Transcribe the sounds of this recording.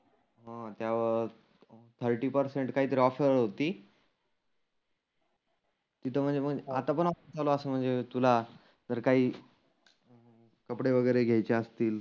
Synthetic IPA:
ɦãt̪jaʋə | t̪ʰəɾʈiːpəɾseɳʈkaɦiːt̪əɾiɔfeɾəɽɦot̪iː | t̪it̪ʰəm̤ənd͡zem̤əɡeat̪apəɳɔfit͡salɔəsəːm̤əɳd͡zet̪ula | d͡zəɾkaɦiː | kəpɽeʋəɡəjɾeɡʱjajt͡ɕeəst̪iːl

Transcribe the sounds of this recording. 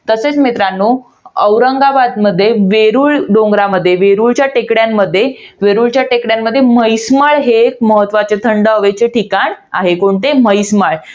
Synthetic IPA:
t̪əset͡smit̪ɾanːuː | əwɾəŋɡabad̪məd̪ʱːjeʋeɾuːɭɖõŋɡɾaməd̪ʱːjeʋeɾuɭt͡ɕjaʈekɽjamːəd̪ʱːjeʋeɾuɭt͡ɕjaʈekɽjamːəd̪ʱːjeməjsməɭɦek̚məɦət̪ːʋat͡set̪ʰəɳɖəəʋet͡ɕeʈʰikaɳa̰ɦekoɳt̪eməjsməɭ

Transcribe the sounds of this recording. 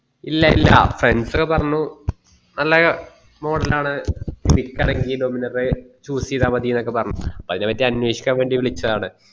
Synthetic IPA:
ilːɐilːɐ̰freɳɖsokːepɐrɐɲːu | nɐlːɐ | mo̞ːɽɐlaːɳɨkrikːɐɳɐŋɡido̞minɐrɨt͡ɕuːsiðaːmɐd̪iːnokːe̞pɐrɐɲːuɐpːɐðine̞pːɐtːiɐnwe̞ːɕi̥kʲːaːmʋe̞ːɳɖiʋiɭit͡ɕːɐðaːɳɨ

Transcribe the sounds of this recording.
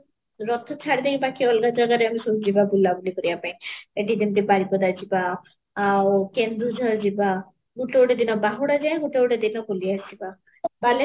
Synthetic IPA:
ɾɔt̪ʰɔt͡ʃʰaɽd̪ej̃bakiɔlɡad͡ʒɔɡaɾeamisuɦd͡ʒibabulːabulikɔɾiapaĩeʈid̪int̪̬ibaɾipɔd̪ad͡ʒibaː | wkend̪ɾud͡ʒʱɔld͡ʒiba | ɡuʈowɽed̪inɔbaɦuɽad͡ʒajɡuʈowɽed̪inɔkoliasiba | bale

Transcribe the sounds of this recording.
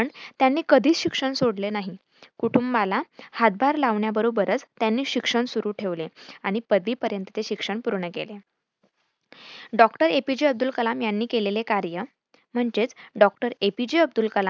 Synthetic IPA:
əɳt̪janːiːkəd̪ʱiːt͡sɕikʂəɳsoɽlenaɦi | kuʈumbalahat̪̚bʱaɾlaʋɳjabəɾobəɾət͡st̪janːiːɕikʂəɳsuɾuːʈʰeʋleaɽ̃ipəd̪ʋiːpəɾjənt̪ət̪eɕikʂəɳpuɾɳəkḛle | ɖɔkʈəɾepid͡ʑiəb̚d̪ulkəlamjanːiːkelelekaɾjə | m̤əɳd͡ʑet͡sɖɔk̚ʈəɾepid͡ʑiəb̚d̪ulkəla

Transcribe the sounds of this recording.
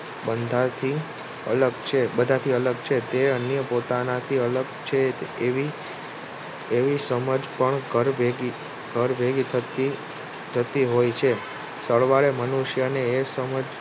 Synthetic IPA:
bənd̪ʱat̪ʰi | ə̰ləɡt͡ʃʰebəd̪ʱat̪ʰiələɡ̚t͡ʃʰet̪eənjəpot̪anat̪ʰiələɡt͡ʃʰeʋi | eʋisəməd͡ʒpəɳɡəɾbʱeɡi | ɡʱəɾbʱeɡit̪ʰət̪i | d͡ʒ̪ʱət̪iɦojt͡ʃʰe | səɭʋaɭemənuʃjəneːsəməd͡ʒ

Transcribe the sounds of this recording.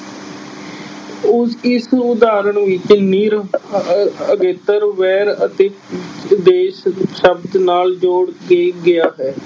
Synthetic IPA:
ʊɪsʊd̪aːɾəɳʋɪt͡ʃniːɾ | əɡeːt̪əɾʋɛːɾət̪eːd̪eːʃʃəbd̪naːld͡ʒoːɽɡeːɡɪaːɦɛː

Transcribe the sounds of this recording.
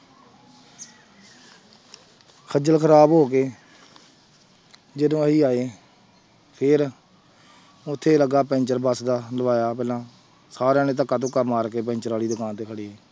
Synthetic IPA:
kʰəd͡ʒəlkʰəɾaːbɦoːk̬eː | d͡ʒɪdõːɦiːaːeː | pʰɪɾ | ʊt̪ʰːeːləɡaːpɛ̃ːnt͡ʃəɾbəsd̪aːləʋaːjaːpɛːlãː | saːɾãːneːt̪əkːãːt̪̬ʊ̃kːaːmaːɾkeːp̬ɛ̃ːɲt͡ʃəɾʋaːliːd̪ʊkaːnt̪eːkʰəɽiːeː

